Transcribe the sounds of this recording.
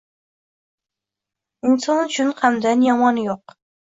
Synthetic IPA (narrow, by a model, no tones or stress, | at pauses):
ɪnsɒnʊt͡ʃʰʊnqʰamd̪anjɒmɒnjoq